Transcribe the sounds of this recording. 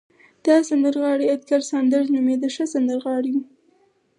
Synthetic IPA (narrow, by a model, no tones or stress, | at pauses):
d̪̥ɑsand̪əɾɣɑɽiad̪̚ɡaɾsand̪əɾnumed̪əʃəsand̪əɾɣɑɽiwu